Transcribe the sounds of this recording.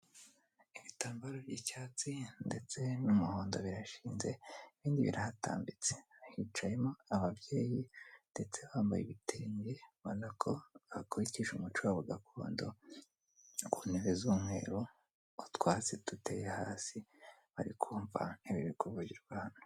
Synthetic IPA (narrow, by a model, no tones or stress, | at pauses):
iβitaːmbaɾoɾjicaːt͡sinde̞t͡se̞numuho̞ːndo̞̰βiɾaʃiːnze̞iβiːndiβḭɾahata̰ːmbit͡se̥hit͡ʃajemoaβabje̞ːjinde̞t͡se̞βaːmba̰jḭβitʰeːɲɡe̞manakʰo̞βakoɾiciʒumut͡ʃuwaβuɡakʰo̰ːndo̰ | kuneβezuːmŋwe̞ːɾoː | twaːt͡situte̞̰jehaːsi | βaɾikʰuːɱva̰iβiβikuvuɟiɾɡwahano